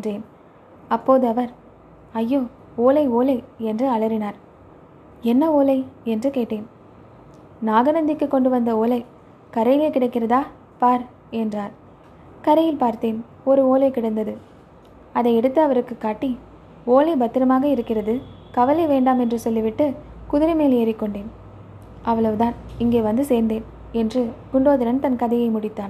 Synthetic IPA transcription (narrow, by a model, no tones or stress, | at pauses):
dreːn | ɐpːoːðɯɐʋɐɾ | ɐjːoː | oːlɐɪoːlɐɪɛndrɯɐɭɐɾɪnaːɾ | ɛnːɐoːlɐɪɛndrɯkeːʈːeːn | naːɣɐnɐnd̪ɪkːɯkːɔɳɖɯʋɐnd̪ɐoːlɐɪ | kɐɾɐjɪleːkɪɽɐɪkːɪrɐðaː | paːɾ | ɛndraːɾ | kɐɾɐjɪlpaːɾt̪eːn | ɔɾɯoːlɐɪkɪɽɐnd̪ɐðɯ | ɐðɐɪɛɽɯt̪ːɐɐʋɐɾɯkːɯkːaːʈːi | oːlɐɪbɐt̪ːɪɾɐmaːɣɐɪɾɯkːɪrɐðɯ | kɐʋɐlɐʋeːɳɖaːmɛndrɯsɔlːɪʋɪʈːɯkʊðɪɾɐmeːleːɾɪkːɔɳɖeːn | ɐʋɐɭɐʋɯðaːnɪŋɡeːʋɐnd̪ɯseːɾnd̪eːn | ɛndrɯɡʊɳɖoːðɪɾɐnt̪ɐnkɐðɐjɐɪmʊɽɪt̪ːaːn